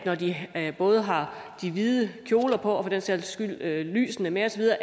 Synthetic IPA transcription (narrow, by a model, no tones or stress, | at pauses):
nɒd̥ib̥ɔ̽ːð̞ˠɦɑ̈ | d̥iʋiːðˠəkʰjo̝ːlɐpʰɒ̽ɒfɒ̽d̥enselsɡ̥yl̰øly̰ːsn̩əmeɒ̽sɒʋið̞ˠɐː